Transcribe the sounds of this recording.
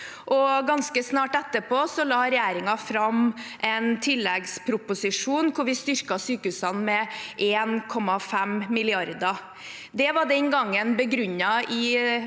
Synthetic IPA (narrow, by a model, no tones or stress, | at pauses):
ʔɔɡɑnskəsnɑːʈɛt̪ːəpʰoːsɔlɑːɾɛjæːɾɪŋɑfɾɑmʔɛnt̪ʰɪlːɛɡspʰɾʊpʊsɪʂuːnkʰʊɾʋɪst̪ʏɾkɑsyːkəʉsɑnmɛʔeːnkʰɔmːɑfɛmmɪlɪɑɾd̪ɑ | d̪ɛʋɑɖɛnɡɑŋːənbəɡɾʉɲːɑɪ